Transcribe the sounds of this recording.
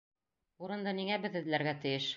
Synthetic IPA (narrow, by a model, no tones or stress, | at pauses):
uɾɤ̆nd̪ɤniŋæbɘ̆ðɘ̆ðlæɾɡæt̪ɘ̆jɘʃ